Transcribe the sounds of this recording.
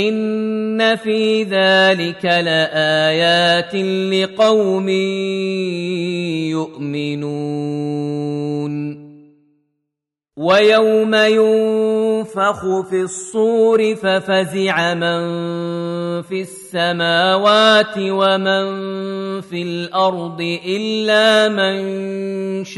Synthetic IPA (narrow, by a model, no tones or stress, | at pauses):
ʔɪnːafiːðaːlɪkalaʔaːjaːt̪ɪlɪqɑwmɪ | jʊʔmɪnuː | n | wajawmajʊnfɑxʊfisˤːuːɾɪfafazɪʕaman | fisːamaːwaːt̪ɪwaman | filʔɑɾˤd̪ˤɨʔɪlːaːmɪn | ʃ